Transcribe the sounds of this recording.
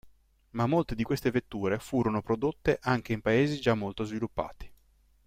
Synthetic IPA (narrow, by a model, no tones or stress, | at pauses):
mamːolt̪ed̪ikwest̪evet̪ːuːɾefuːɾonopɾod̪ot̪ːeʔaŋk̟eimpaeːzid͡ʒamːolt̪ozvilupːa̰ːt̪i̥